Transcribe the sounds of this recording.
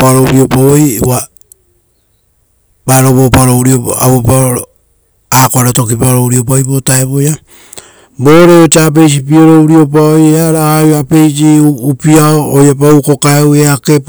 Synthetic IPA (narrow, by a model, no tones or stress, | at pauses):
paɾouɾio̞paojwa | baɾoβopaɾouɾio̰a̰βopaoɾo | akoaɾato̞kipaɾouɾio̞p̬ajbotaeβoja | bo̞ɾeot͡ʃap̬e̞js̬ipioɾouɾio̞p̬aojeaɾajape̞jsiupiaoːjap̬auko̞kaeweake̞p